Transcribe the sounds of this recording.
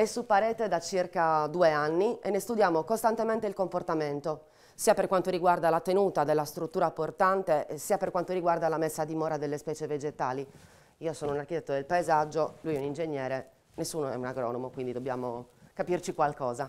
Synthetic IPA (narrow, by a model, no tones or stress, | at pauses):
ɛsːupːaɾɛːt̪ed̪at͡ʃirkad̪uːeanːienːest̪ud̪jaːmokost̪ant̪emɛnt̪eilkomport̪ament̪o | siːaperkwant̪oɾiɡward̪alat̪enuːt̪ad̪elːast̪ɾut̪ːuːɾaport̪ant̪esiːaperkwant̪oriɡward̪alamesːad̪imɔːɾad̪elːespɛːt͡ʃeved͡ʒet̪aːli | iːosɔːnounarkit̪ɛt̪ːod̪elpaezad͡ʒːolujɛunind͡ʒeɲːɛːɾe | nesːuːnoɛ̰unaɡɾɔ̰ːnɔmokwind̪id̪objaːmokapirt͡ʃikwalkɔːza